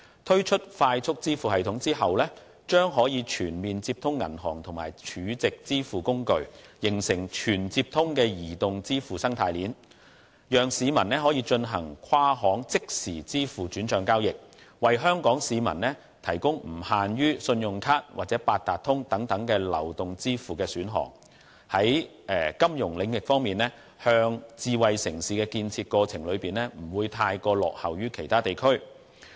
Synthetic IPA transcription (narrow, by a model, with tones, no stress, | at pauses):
t̪ʰɵ˥ɥt͡ʃʰɵ˥t̚faː˧jt͡sʰʊ˥k̚t͡siː˥fuː˨hɐ˨jt̪ʰʊ˨˥ŋt͡siː˥ɦɐ˨wlɛː˥ | t͡ʃœː˥ŋɦɔː˨˥jiː˨˧t͡ʃʰyː˨˩nmiː˨nt͡siː˧p̚t̪ʰʊ˥ŋːɐ̰˨˩nɦɔː˨˩ŋt̪ʰʊ˨˩ŋmaː˨˩jt͡ʃʰyː˨˥t͡sɪ˨k̚t͡siː˥fuː˨kʊ˥ŋkɵ˧ɥjɪ˨˩ŋsɪ˨˩ŋt͡ʃʰyː˨˩nt͡si˧p̚t̪ʰʊ˥ŋkɛː˧jiː˨˩t̪ʊ˨ŋt͡siː˥fuː˨sɐ˥ŋt̪ʰaː˧jliː˨˥n | jœː˨˩ŋsiː˨˧mɐ˨˩nnɛː˥ɦɔː˨˥jiː˧t͡ʃɵ˧nɦɐ̰˨˩ŋkʷʰaː˥ɦɔː˨˥ŋt͡sɪ˥k̚siː˨˩t͡siː˥fuː˨t͡ʃyː˨˥nt͡ʃœː˨˧ŋkaː˥wjɪ˨k̚wɐ˨jɦœː˥ŋkɔː˨˥ŋsiː˨˧mɐ̰˨˩nnɛː˥ | t̪ʰɐ˨˩jkʊ˥ŋm̩˨˩haː˨njyː˥sɵ˧njʊ˨˩ŋkʰaː˥t̚waː˨t̚t͡sɛː˨˥paː˨˧t̚t̪aː˨˩t̚t̪ʰʊ˥ŋt̪ɐ˨˥ŋt̪ɐ˨˥ŋkɛː˧lɐ̰˨˩wt̪ʊ˨ŋt͡siː˥fuː˨kɛː˧syː˨˥nɦɔ̰ː˨˩ŋ | hɐ˨˥j | ɛː˨kɐ˥mjʊ˨˩ŋlɪ˨˧ŋjɪ˨k̚fɔː˥ŋmiː˨nɛː˥ | hœː˧ŋt͡siː˨˧wɐ˨jsɪ˨˩ŋsiː˨kɛː˧kiː˧nt͡sʰiː˧t̚kɔː˧t͡sʰɪ˨˩ŋlɵ˨˧ɥpiː˨nlɛː˥m̩˨˩wuː˨˧jt̪ʰaː˧jkɔː˧lɔ̰ː˨k̚hɐ˨˩wjyː˥kʰe˨˩jt̪ʰaː˥t̪e˨jkʰɵ˥ɥ